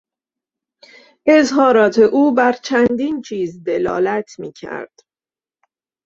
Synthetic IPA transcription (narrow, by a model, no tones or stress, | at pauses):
ʔe̞zɦɒːɾɒːt̪ʰe̞ʔuːbæɾt͡ʃʰænd̪iːnt͡ʃʰiːzd̪e̞lɒ̰ːlæt̪ʰmiːcʰæ̰ɾd̪̥